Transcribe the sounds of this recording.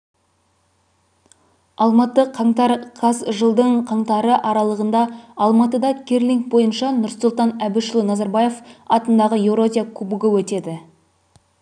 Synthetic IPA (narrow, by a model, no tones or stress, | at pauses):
ɑlˠmɑt̪əqʰɑɴt̪ɑɾqʰɑsʒəlˠd̪əɴqʰɑɴt̪ɑɾəʔɑɾɑlˠəʁənd̪ɑɑlˠmɑt̪əd̪ɑkʰʲerliŋk̚bo̞jənʃɑnʊɾsulˠt̪ɑnæbɪʃəlˠunɑzɑɾbɑje̞fɑt̪ənd̪ɑʁəje̞vɾo̞zʲijakʰubuɡɪwɵt̪e̞d̪ɪ